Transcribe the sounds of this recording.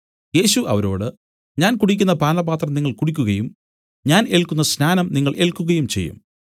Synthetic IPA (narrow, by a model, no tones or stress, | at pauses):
je̞ːɕuʔɐ̰ʋɐɾo̞ːɽɨ | ɲaːnkuɽikʲːunːɐpaːnɐbaːt̪rɐmniŋːɐɭkuɽikʲːuɣɐjum | ɲaːne̞ɭkːunːɐsnaːnɐmniŋːɐɭʔe̞ɭkːuɣɐjumt͡ɕe̞̰jːṵm